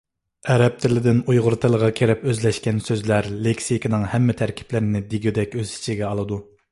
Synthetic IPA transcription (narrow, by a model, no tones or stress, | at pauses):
ɛɾɛp̚t̪ʰɪlɪd̪ɪnujʁʊɾt̪ʰɨlˠəʁɑkʲʰeɾɛpøzlɛʃkʲɛnsøzlæɾlekʲsikʰʲinɨŋhɛmːɪt̪ʰæɾkʲʰi̥plɪɾɪnɪd̪iɡʲid̪ɛkʲøzi̥t͡ʃʰiɡʲɛɑlˠɨd̪u